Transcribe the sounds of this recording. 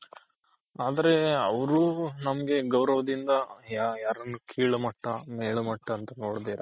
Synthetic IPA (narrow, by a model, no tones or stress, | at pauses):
aːd̪ɐɾe̞ɐʋɐɾunɐmɐɡe̞ɡɐwɾɐʋɐd̪ind̪ɐjajaːɾɐnːukʰiːɭɐmɐʈːɐmeːɭɐmɐʈːɐɐnt̪ɐno̞ːɽd̪eːɾɐ